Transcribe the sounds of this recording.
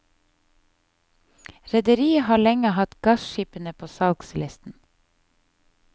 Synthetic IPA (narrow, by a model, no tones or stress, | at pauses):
ɾɛd̪əɾiːəhɑːɭɛŋəhɑt̪ɡ̥ɑsʃiːpənəpʰoːsɑlkslɪst̪n̩